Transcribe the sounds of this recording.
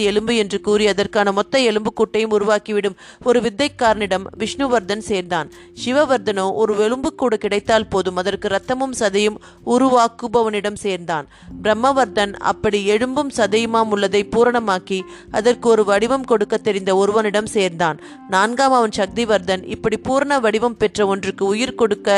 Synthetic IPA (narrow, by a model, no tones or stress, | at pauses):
ɛɭɯmbɯɛndrɯkuːɾɪjɐðɐrkaːnɐmɔt̪ːɐɛɭɯmbɯkːuːʈːɐjɯmʊɾʊʋaːkiʋɪɽɯm | ɔɾɯʋɪd̪ːɐɪkːaːɾnɪɽɐmʋɪʂɳɯʋɐɾd̪ɐnseːɾnd̪aːn | ʂɪʋɐʋɐɾd̪ɐnoːʔɔɾɯɛɻɯmbɯkːuːɽɐkɪɽɐɪt̪ːaːlpoːðɯmɐðɐrkɯɾɐt̪ːɐmɯmsɐðɐjɯm | ʊɾʊʋaːkːɯbɐʋɐnɪɽɐmseːɾnd̪aːn | bɪɾɐmːɐʋɐɾd̪ɐnɐ̰pːɐɽiɛɻɯmbɯmsɐðɐjɯmaːmʊɭːɐðɐɪpuːɾɐɳɐmaːki | ɐðɐrkɯɔɾɯʋɐɽɪʋɐmkɔɽɯkːɐt̪ːɛɾɪnd̪ɐɔɾɯʋɐnɪɽɐmseːɾnd̪aːn | naːnɡaːmɐʋɐnʃɐk̚d̪iʋɐɾd̪ɐnɪ̰pːɐɽipuːɾɐɳɐʋɐɽɪʋɐmpɛʈrɐɔndrɯkːɯʊjɪɾkɔɽɯkːɐ